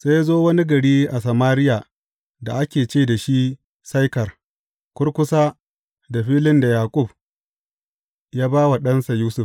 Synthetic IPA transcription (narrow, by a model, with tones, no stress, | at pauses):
se˦ja˦zoː˦wɐ˦ni˦ɡɐ˨ɽiː˦ʔa˨sa˨maː˦ɾɪ˦ja˨ | da˨ʔa˦kʲeː˨t͡ʃeː˦˨da˨ʃi˦ | sa˦jkɐ˨r | kʷʊ˦rkʷʊ˦saː˦ | da˨ɸiː˦lɪ˦nda˨jaː˨kʷʼʊ˦˨b | jaː˦baː˦wa˨ɗɐ˦nsa˨juː˦sʊ˦˨f